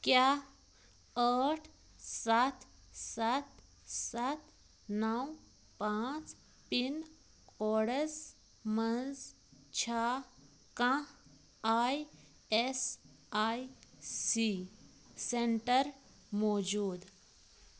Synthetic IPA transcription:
kja | əʈʰ | sat̪ʰ | sat̪ | sat̪ | naw | pãt͡s | pin | kɔɽəs | mənd͡z | t͡ɕʰa | kã | aj | es | ajsi | seɳʈəɾ | mɔd͡ʑuːd̪

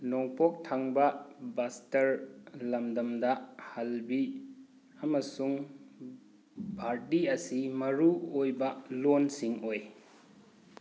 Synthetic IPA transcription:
noŋpok̚tʰaŋbɐbastɐɾlɐmdɐmdɐhɐlbi | ɐmɐsuŋ | bʱaɾtiɐsimɐɾuojbɐlonsiŋoj

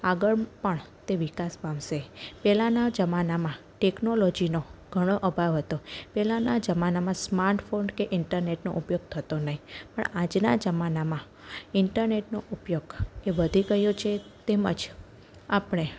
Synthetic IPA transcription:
aɡəɭpəɳ | t̪eʋɪkasbãmʃepɛlanad͡ʒəmanamã | ʈeknolod͡ʒinoɡ̥ʱəɽ̃oʔəbʱaʋɦət̪opɛlanad͡ʒəmanamãsmaɾʈfoɳɖkeʔɪɳʈəɾneʈno̰ʔupjoɡ̚t̪ʰət̪onəɦĩpə̰ɳad͡ʒna̰d͡ʒəmanamã | ɪɳʈəɾneʈnoʔupjoɡeʋəd̪ʱiɡəɦjot͡ʃʰet̪emə̰d͡ʒ | apɽ̃e

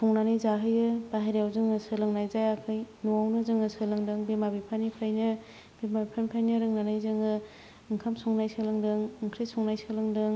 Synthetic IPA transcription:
sʰɔŋnanɯjzaɦɯjɯbaɦeɾijawzɯŋɯsɯlɯŋnajzajakʰɯjnuawnɯzɯŋɯsɯlɯŋdɯŋbemabipʰanipʰɾajnɯ | bemabipʰanpʰajnɯɾɯŋnanajzɯŋɯ | ɯŋkʰamsɔŋnajsɯlɯŋdɯŋɯŋkʰɾesɔŋnajsɯlɯŋdɯŋ

